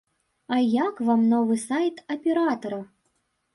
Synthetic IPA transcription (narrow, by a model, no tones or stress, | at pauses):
ɑjakvamnovɨsajt̪ɐpʲeɾat̪oɾɐ